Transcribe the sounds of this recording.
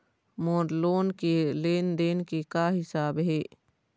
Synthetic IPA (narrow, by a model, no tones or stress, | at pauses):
moːɾloːnkeleːnd̪eːnkekaɦɪsaːbɦeː